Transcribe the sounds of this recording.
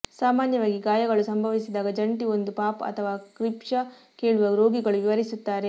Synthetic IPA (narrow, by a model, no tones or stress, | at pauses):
saːmaːnjɐʋaːɡiɡaːjɐɡɐɭusɐmbʱɐʋisid̪aːɡɐd͡ʒɐɳʈio̞nd̪upaːpɐ̰t̪ʰɐʋaːkɾipʂɐ | keːɭuʋɐɾo̞ːɡiɡɐɭuʋiʋɐɾisut̪ːaːɾe̞